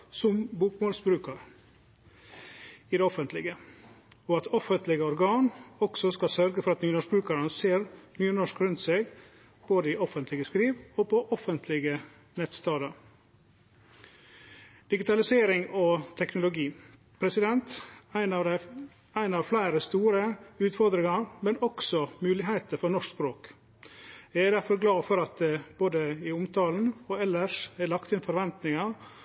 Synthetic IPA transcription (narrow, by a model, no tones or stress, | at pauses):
sʊmbuːkmoːlsbɾʉːkəɾ | iːd̪ɛɔfənt̪ʰlɪɡə | oːɑt̪ʰɔfənt̪lɪɡəɔɾɡɑːnɔksɔskɑsœɾɡəfɔɾɑt̪nyːnɔʃbɾʉːkɑɾənəseːɾnyːnɔʂkɾʉnt̪seɪɡ | b̥oːd̪əiːɔfənt̪lɪɡəskɾiːʋoːpʰɔʔɔfənt̪ʰlɪɡə | nɛt̪st̪ɑːd̪ɑɾ | d̪̥ɪɡɪt̪ɑlɪseːɾɪŋɔːt̪ʰɛknʊlʊɡiː | pʰɾɛsɪd̪ɛnt̪æɪnɑd̪æɪ | æɪnɑːʋflæɪɾəst̪uːɾəʉːt̪fɔɾd̪ɾɪŋɑɾmɛnɔksɔmʉːlɪɦæɪt̪əɾfɔɳɔʂkspɾoːk | jæɪæɾd̪æɾfɔɾɡlɑːfɔɾɑt̪̚d̪ɛb̥oːd̪əɪʊmt̪ʰɑːln̩oːɛlːəʂæɭɑkt̪ɪnfɔɾʋɛnt̪nɪŋɑ